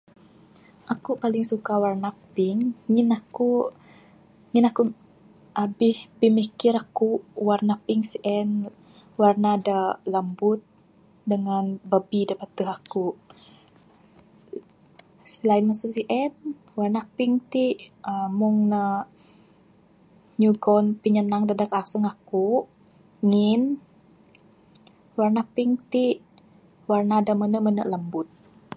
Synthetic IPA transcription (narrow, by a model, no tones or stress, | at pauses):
ʔakupalɪŋsukawarnapɪŋːinaku | ŋinaku | ʔabɪhbimikɪɾakuwarnapiŋsiʔɛn | warnadalambʊt̪̚ | dəŋanbəbidəpat̪uɦakuʔ | səlaiməsusiʔɛn | warnahpiŋt̪iʔəmuŋnə | ɲuɡɔnpiɲənaŋdadakasəŋakuʔ | ŋin | warnapiŋt̪iʔ | warnadamənəmənəʔləmbʊt̪̚